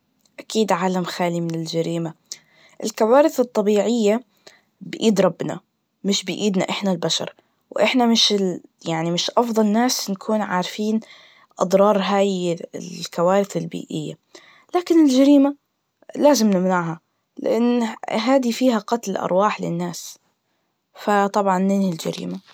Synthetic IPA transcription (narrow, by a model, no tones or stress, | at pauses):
ʔakiːd̪ʕaːlamxaːlimɪnɪld͡ʒaɾiːma | ʔɪ̰lkawaːɾɪθɨt̪ˤːɑbiːʕɪjːa | bɪʔiːd̪ɾˤɑbːna̰ | mɪʃbɪʔiːd̪naʔɪħnalbaʃɑ̰ɾˤ | wʔɪħnamɪʃjaʕnimɪʃʔɑfðˤɑlnaːsnakʰuːnʕaːɾfiːn | ʔɑd̪ˤɾˤɑːɾˤɦaːjlkawaːɾɪθɪlbḭːʔɪjːa | laːkɪnɪld͡ʒaɾiːma | laːzɪmnɪmnaʕha | lɪ̰ʔanːɦaːd̪ifiːɦaqɑt̪lʔɑ̰ɾˤwaːħlɪ̰nːaːs | fat̪ˤɑbʕɑnːɪnhɪld͡ʒa̰ɾḭːma